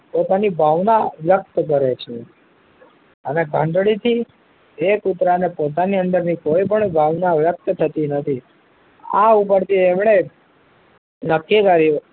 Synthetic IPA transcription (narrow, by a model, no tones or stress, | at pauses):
pot̪anibʱaʋnaʋjək̚t̪ək̬əɾet͡ʃʰe | əneɡʱə̃ɳɖɽit̪ʰi | ekut̪ɾanepot̪̬aniə̃nd̪əɾnikoipəɳbʱaʋnaʋjək̚t̪ət̪ʰət̪inət̪ʰi | a̰up̬əɾt̪iemɳe | nəkːikaɾi